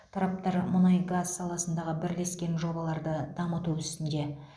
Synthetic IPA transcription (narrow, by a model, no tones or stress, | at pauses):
t̪ʰɑɾɑp̚t̪ɑɾmʊnɑjɡazsɑlˠɑsənd̪ɑʁəbɪɾle̞skʲe̞nʒo̞bɑlˠɑɾd̪əd̪ɑmət̪uʏst̪ɪnd̪e̞